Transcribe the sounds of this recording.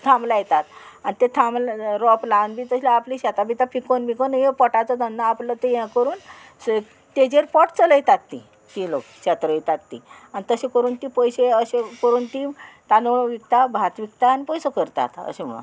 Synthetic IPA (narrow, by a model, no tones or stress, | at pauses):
t̪ʰãmblajet̪at̪anit̪et̪ʰãmlɾɔplanbiːt̪əɕlaːpliɕat̪abit̪afikonmikonjepɔʈat͡sɔd̪ənːaaplət̪ejãkəɾuːn | t̪ed͡ʑeɾpɔʈt͡sələjt̪at̪ːḭ | t̪ilokɕat̪ɾəjt̪at̪ːi | anit̪əɕekəɾuːnt̪ipəjɕeəɕekəɾuːnt̪it̪anoʋikt̪abʱat̪ʋikt̪aːnipəjsəkəɾt̪a̰t̪ə̰ɕem̤ə̰ɭ̰